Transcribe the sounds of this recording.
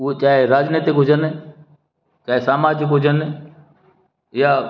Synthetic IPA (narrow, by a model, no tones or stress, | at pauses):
ʊet͡ɕaːɦeɾaːd͡ʒneːt̪ikɦʊd͡ʑʱən | t͡ɕaːɦesaːmaːd͡ʑɪkɦʊd͡ʑʱən | ɪja